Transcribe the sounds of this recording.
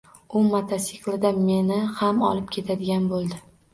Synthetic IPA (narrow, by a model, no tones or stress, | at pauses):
ʊmat̪ʰasiklˠɪd̪ame̞nɪhamɒ̰lˠɪp̚kʲʰe̞t̪ʰad̪ɪɡʲanbolˠd̪ɪ